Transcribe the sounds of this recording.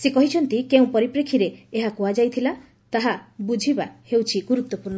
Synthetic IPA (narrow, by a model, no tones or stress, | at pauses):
sekɔɦit͡ʃʰɔnt̪ikeũpɔɾipɾekʰːiɾeːɦakuad͡ʒajt̪ʰila | t̪aɦabud͡ʒʱibahewt͡ʃʰiɡuɾut̪ːɔpuɾɳɔ